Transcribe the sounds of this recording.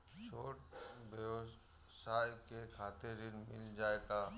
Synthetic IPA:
ʃoːʈbjəʋ | saːjkekʰaːt̪ɪɾɪnmɪ̰ld͡ʒaːeɡaː

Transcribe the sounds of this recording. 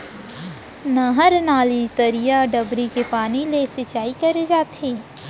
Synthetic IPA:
nɐɦəɾnaːlit̪əɾijaɖɐbɾikepaːnilesɪt͡ʃaːikɐɾed͡ʒaːt̪ʰeː

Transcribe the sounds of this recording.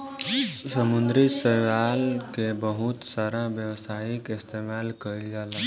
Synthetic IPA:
səmund̪ɾisəɾʋalkebəɦut̪saɾãbjəwsaikɪst̪emalkəild͡ʒal

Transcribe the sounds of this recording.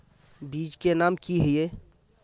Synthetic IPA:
biːd͡ʒkenaːmkiɦɪje

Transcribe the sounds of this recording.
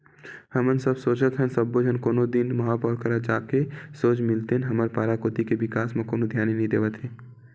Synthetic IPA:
həmənsəbsoːt͡ʃət̪ɦənsəbːod͡ʒənkoːnod̪ɪnmɐɦaːpɔːɾkɐɾad͡ʒaːkesoːd͡ʒmɪlt̪eɦnɦɐməɾpaːɾakoːt̪ikeʋɪkaːsm̃koːnod̪ʱjaːninɐɦĩd̪eːʋət̪ɦẽː

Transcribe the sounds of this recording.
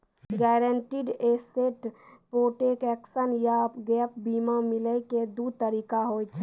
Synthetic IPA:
ɡɛːɾəɳʈiɖeseʈpoːʈekɛːksənjapɡɛːp̚biːmamɪləked̪ut̪əɾiːkaɦoːjt͡ʃʰɛ

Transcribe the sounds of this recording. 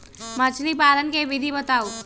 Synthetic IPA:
mət͡ʃʰlipaːɾənkeʋɪd̪ʱibət̪aːu

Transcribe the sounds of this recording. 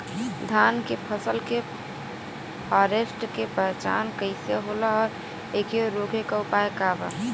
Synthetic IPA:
d̪ʱankepʰəsəlke | pʰɔɾesʈkepəɾt͡ʃa̰nkəɪseɦolaɔːɾ | ekeɾoɡʱekaupaekaba̰

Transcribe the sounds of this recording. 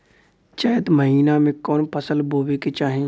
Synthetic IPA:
t͡ʃəjət̪məɦiːnamẽkɔːnpʰəsəlbʱoːʋeket͡ʃaːɦẽ

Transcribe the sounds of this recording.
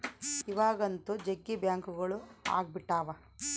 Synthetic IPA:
iʋaːɡɐnt̪ud͡ʒeɡːibjaːŋkuɡɐɭua̰ːɡ̚biʈːaːʋɐ

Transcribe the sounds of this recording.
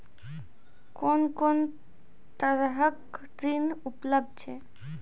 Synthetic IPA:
konkon | t̪əɾɦək | ɾinupləb̚d̪̚t͡ʃʰe

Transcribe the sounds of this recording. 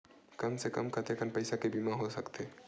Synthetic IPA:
kəmsekəmkət̪ekəmpɐɪsakebimaɦosəkt̪e

